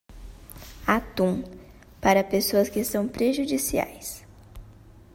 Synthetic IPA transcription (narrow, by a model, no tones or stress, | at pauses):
at̪ũ | paɾɐpesoɐskɪsɐ̃w̃pɾeʒud͡ʒisia̰js